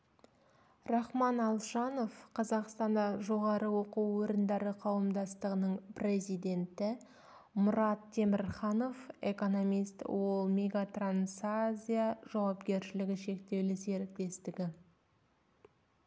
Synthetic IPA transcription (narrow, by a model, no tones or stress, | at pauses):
rɑχmɑnɑlˠʃɑno̞fqʰɑzɑqst̪ɑnd̪ɑʒo̞ʁɑɾəwo̞quwwɵɾɪnd̪ɑɾəqʰɑwəmd̪ɑst̪əʁənəɴprʲe̞zijd̪e̞nt̪ɪ | mʊɾɑt̪ʰːe̞mɪɾχɑno̞fe̞̰ko̞no̞mijst̪wo̞lˠmʲe̞ɡat̪ransazʲijaʒ̥ɑwɑpɡʲe̞ɾʃɪlɪɡʲɪʃe̞kt̪e̞wlɪse̞ɾɪk̚t̪e̞st̪ɪɡʲɪ